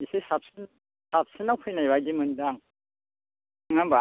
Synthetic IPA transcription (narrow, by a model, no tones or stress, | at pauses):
isisap̚sin | sap̚sinawkʰɯjnajβajdimɯndaŋ | ŋamba